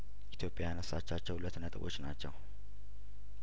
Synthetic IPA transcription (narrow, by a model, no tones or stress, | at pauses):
it̪ʰjo̞pʼjajanəsːat͡ʃːat͡ʃːɛwhlət̪nət̪ʼɨβot͡ʃːnat͡ʃːɛw